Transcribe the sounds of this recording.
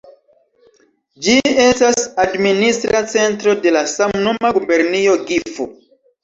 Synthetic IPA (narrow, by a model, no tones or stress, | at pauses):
d͡ʒie̞stasadministɾat͡se̞ntɾo̞de̞lasamnumaɡube̞ɾnio̞ɡifo